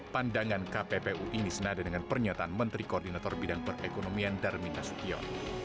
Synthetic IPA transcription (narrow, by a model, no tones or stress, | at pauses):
pandaŋankapepeʔuʔinisənadadəŋanpərɲat̪aːnmənt̪ɾikoːrdinat̪ɔrbidaŋpərekonomiandarminasp̪iɔ̰n